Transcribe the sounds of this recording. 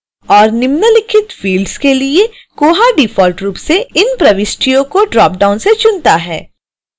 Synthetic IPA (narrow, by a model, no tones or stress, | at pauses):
ɔːɾnɪmnəlɪkʰɪt̪fiːlɖskelie | koːɦaɖɪfɔːlʈɾuːpseɪnpɾɐʋɪsʈijõkoɖɾɔːp̚ɖaːʊnset͡ʃʊnt̪aɦɛː